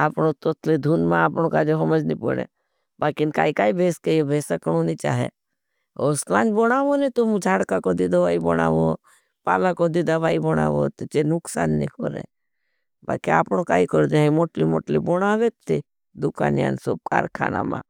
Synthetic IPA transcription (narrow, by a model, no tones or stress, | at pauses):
aːpɽot̪ot̪ʰled̪ʱuːnmãaːpɳõkaːd͡ʒeɦɐməd͡ʒnipə̰ɽḛ̃ | baːkinkaːikaːibʱeːskejobʱeːsəkɳunit͡ʃa̰ːɦḛ | oslãːnboɽaːʋonet̪umd͡ʒʱaːɽkakod̪ɪd̪aʋaːibɔɽ̃a̰ːʋo | paːlakod̪id̪aʋaːibɔɽ̃a̰ːʋot̪t͡ʃenʊksa̰ːnːikoɾḛ̃ | ba̰ːkeaːpɽokaːikɔɾd͡ʒaːɦĩmoːʈlimoːʈliboɽ̃aːʋet̪ːi | d̪ʊka̰ːnja̰nsoːp̚ka̰ːɾkʰa̰ːna̰mã̰